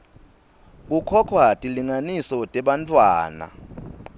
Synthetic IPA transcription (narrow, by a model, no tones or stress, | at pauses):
k̬ʼukʰɔkʰwatʼiliŋanisɔtʼɛɓant͡fʼwa̰ːna̰